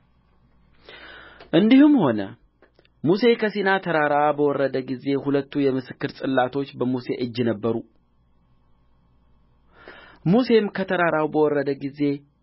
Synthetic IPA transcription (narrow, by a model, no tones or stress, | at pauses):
ʔɨnd̪ihɨmho̞nə | muse̞kʰəsinat̪ʰəɾaɾaabəwɔrːəd̪əɡize̞hulət̪ːujɛmɨsɨkːɨɾt̪ʼɨlːat̪ʰo̞t͡ʃːbəmuse̞ʔɨd͡ʒːɪnəbːəɾu | muse̞mkʰət̪ʰəɾaɾawbəwɔrːəd̪əɡize̞